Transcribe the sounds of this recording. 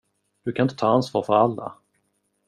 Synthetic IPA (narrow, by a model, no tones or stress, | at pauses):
d̪̥ɵkʰanɪnt̪ət̪ʰɑːansvɑ̰ːɾfœɾalːa̰